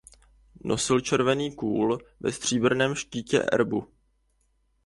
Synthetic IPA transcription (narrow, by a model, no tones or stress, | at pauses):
nʔo̞sɪlt͡ʃɛɾvɛniːkuːlvɛ̰st̪r̝̥iːbr̩nɛːmʃciːcɛ̰ʔɛ̰ɾbu